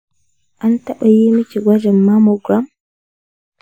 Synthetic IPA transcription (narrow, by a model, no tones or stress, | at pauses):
ʔantaɓajimit͡ʃiɡʷad͡ʒɛmːamɔɡɾam